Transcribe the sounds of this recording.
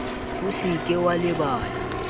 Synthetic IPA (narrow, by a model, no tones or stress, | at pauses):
usikʼɛwalɛɓaːla